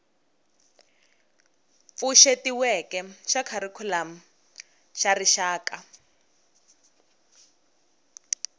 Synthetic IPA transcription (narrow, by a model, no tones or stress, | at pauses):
fuʃetiwɛkɛʃakʰaɾikʰulam̩ | ʃariʃaːka